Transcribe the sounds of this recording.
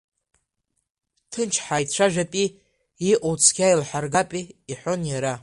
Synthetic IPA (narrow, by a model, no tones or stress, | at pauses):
tʰɨnt͡ʃʰħajtʰʂʷaʒᶣapʼi | iʔot͡sʰɡʲajilħʷarɡapʼiːħʷonjaɾa